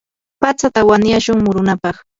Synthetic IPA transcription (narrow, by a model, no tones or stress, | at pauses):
pat͡sat̪awanjaʃʊŋmʊɾʊnapɑχ